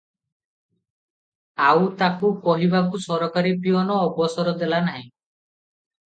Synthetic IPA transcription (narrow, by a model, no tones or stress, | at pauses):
awt̪akupɔɦibakusɔɾɔkaɾipiɔnɔːbɔsɔɾɔd̪elanaɦĩ